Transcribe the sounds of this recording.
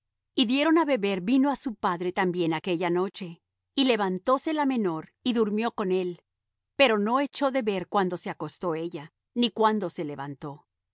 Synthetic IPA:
iðje̞ɾo̞naβe̞βe̞ɾbino̞asupaðɾe̞t̪ambje̞nake̞ʝano̞t͡ʃe̞ | ile̞βant̪o̞se̞lame̞no̞ɾiðuɾmjo̞ko̞ne̞l | pe̞ɾo̞no̞e̞t͡ʃo̞ðe̞βe̞ɾkwand̪o̞se̞ako̞st̪o̞e̞ʝa | nikwand̪o̞se̞le̞βa̰nt̪o̞

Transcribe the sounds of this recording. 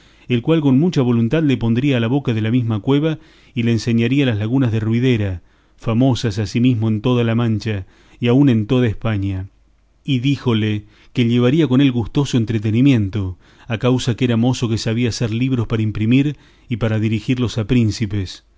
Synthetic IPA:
elkwalko̞nmut͡ʃaβ̞o̞lunt̪aðlepo̞nd̪ɾiaːlaβo̞kaðe̞lamizmakwe̞βa | ileːnse̞ɲaɾialazlaɣunazðerwið̞eɾa | famo̞sasasimizmo̞e̞nt̪o̞ð̞alamãnt͡ʃa | iaunẽ̞nt̪o̞ðaespaɲa | iðixo̞le | keʎeβ̞aɾiako̞ne̞lɣust̪o̞soent̪ɾet̪̬enimjẽ̞nt̪o | akawsakeeɾamo̞so̞kesaβ̞iaseɾliβ̞ɾospaɾaimpɾimiɾ | ipaɾaðiɾixiɾlo̞sapɾinsipes

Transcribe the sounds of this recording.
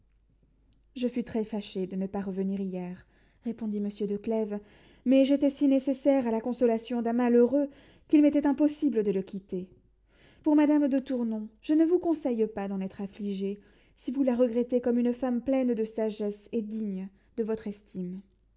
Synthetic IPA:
ʒəfɥyt̪χɛfaʃed̪ənəpaʁəvəniʁijɛʁː | epɔ̃d̪iməsjød̪əklɛv | mɛʒet̪ɛsinesesɛʁalakɔ̃sɔlasjɔ̃d̪ɛ̃maløʁø | kilmet̪ɛt̪ɛ̃pɔsibləd̪ələkʲʰit̪e | puʁmad̪amd̪ət̪uʁnɔ̃ʒənəvukɔ̃sɛjpad̪ɑ̃nɛt̪χafliʒe | sivulaʁəɡʁɛt̪ekɔmynfamplɛnd̪əsaʒɛsed̪iɲ | d̪əvɔt̪χɛst̪ʰim

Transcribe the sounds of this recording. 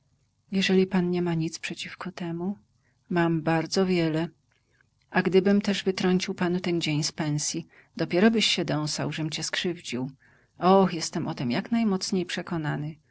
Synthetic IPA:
jɛʐɛlʲipanɲɛmaɲit̪spʂɛt͡ɕifkɔt̪ɛmu | mambaɾd̪zɔvʲjɛlɛ | ʔaɡd̪ɘbɘmt̪ɛʐvɘt̪ɾɔɲt͡ɕiwpanut̪ɛnd͡ʑeɲspɛñsʲji | d̪̥ɔpʲjɛɾɔbɘɕɕɛd̪ɔ̃w̃sawʐɛmt͡ɕɛskʂɘvd͡ʑiw | ɔxjɛst̪ɛmʔɔt̪ɛmjaknajmɔt̪sɲejpʂɛkɔnanɘ

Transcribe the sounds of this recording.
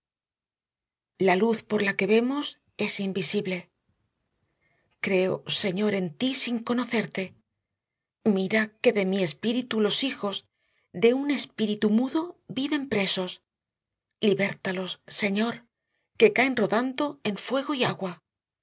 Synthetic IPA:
laluθpo̞ɾlake̞βe̞mo̞s | e̞simbisiβle̞ | kɾe̞o̰se̞ɲo̞ɾe̞nt̪isiŋko̞no̞θe̞ɾt̪e̞ | miɾake̞ðe̞mie̞spiɾit̪ulo̞sixo̞z | ðeune̞spiɾit̪umuðo̞biβe̞mpɾe̞so̞s | liβe̞ɾt̪alo̞sːe̞ɲo̞ɾ | ke̞kaenro̞ðand̪o̞e̞ɱfwe̞ɣ̞oiaɣwa

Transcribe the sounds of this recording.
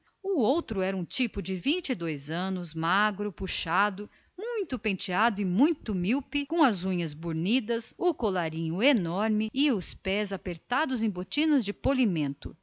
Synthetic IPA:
ʊowt̪ɾʊɛɾɐũt͡ʃipʊd͡ʒɪvĩnt͡ʃɪd̪ojzɐ̃nʊzmaɡɾʊpuʃad̪ʊ | mũj̃t̪ʊpẽt͡ʃiad̪ʊɪmũj̃t̪ʊmiwpɪkõɐzũɲɐzbuɾnid̪ɐsʊkolaɾĩɲʊenɔɾmɪɪʊspɛzapeɾt̪ad̪ʊzẽj̃bot͡ʃĩnɐzd͡ʒɪpolimẽnt̪ʊ

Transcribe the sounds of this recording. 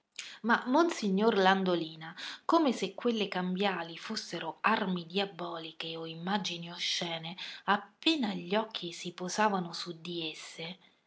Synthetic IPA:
mamːonsiɲːorland̪oliːnakomesekːwelːekambjaːlifusːeɾoarmid̪jabɔːlikeoimːad͡ʒinioʃːɛːneapːeːnaʎːɔkʰːisipozaːvanosud̪ːiesːe

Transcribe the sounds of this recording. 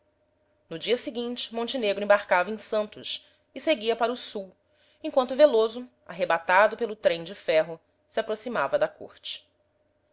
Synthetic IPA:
nʊd͡ʒiɐsiɡĩnt͡ʃɪ̥mõnt͡ʃɪneɡɾʊẽbaɾkavɐẽsɐ̃nt̪ʊs | ɪseɡiɐpaɾʊsuw | ẽkwɐ̃nt̪ʊvelozʊ | a̰ɦebat̪ad̪ʊpelʊt̪ɾẽj̃d͡ʒɪfɛɦʊ | sɪapɾosimavɐd̪ɐko̰ɾt͡ʃɪ̥

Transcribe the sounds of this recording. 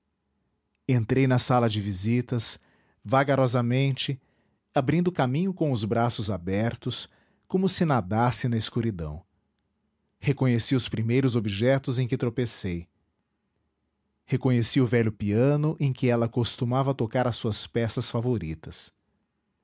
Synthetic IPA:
ẽnt̪ɾejnɐsalɐd͡ʒɪvizit̪ɐs | vaɡaɾɔzɐmẽnt͡ʃɪ | abɾĩnd̪ʊkamĩɲʊkõʊzbɾasʊzabɛɾt̪ʊs | kõmʊsɪnad̪asɪnɐɪskuɾid̪ɐ̰̃w̃ | hekõɲesiʊspɾimejɾʊzobiʒɛt̪ʊzẽkɪt̪ɾopesej | hekõɲesiʊvɛʎʊpiɐ̃nʊʔẽj̃kɪɛlɐkost̪umavɐt̪okaɾɐsuɐspɛsɐsfavoɾḭt̪ɐs

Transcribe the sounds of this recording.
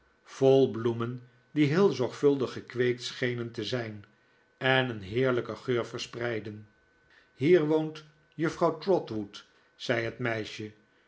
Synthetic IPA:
v̥ɔlˠblumən | diɦɪːlˠzɔɹχfɵlˠdəχəkʋejk̚tsχejnəntəzɛjn | ɛnənɦɪːɹləkəχøːɹvəɹsprɛjdən | ɦiːɹʋownt | jəfrɑwtrɔtʋut | sɛjɦətmɛjʃə

